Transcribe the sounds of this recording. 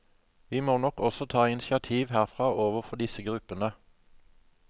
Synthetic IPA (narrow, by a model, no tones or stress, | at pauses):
ʋiːmoːnɔkɔsɔt̪ʰɑːɪnsɪɑt̪ʰiːʋhæːʁfʁɑːʔoːʋəʁfɔd̪ɪsəɡʁʉpənə